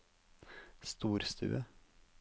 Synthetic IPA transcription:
st̪uːɾst̪ʰʉ̰ːə

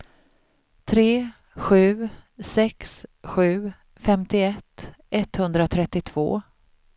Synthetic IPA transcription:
t̪ʰɾeː | ɧʉ̟ːsɛksɧʉ̟ː | fɛmt̪ɪɛt̪ːʔɛt̪hɵnd̪ɾat̪ʰɾɛt̪ːɪt̪ʰv̥o̰ː

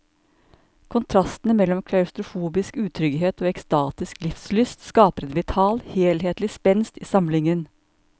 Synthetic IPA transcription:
kʰʊnt̪ʰɾɑst̪ənəmɛlːɔmkʰlɑʉst̪ɾʊfuːbɪskʉːt̪ʰɾʏɡɦeːt̪oːɛkst̪ɑːt̪ɪsklɪfslʏst̪skɑːpəɾɛt̪ʋɪt̪ʰɑːlheːlheːt̪lɪspɛnst̪iːsɑmlɪŋən

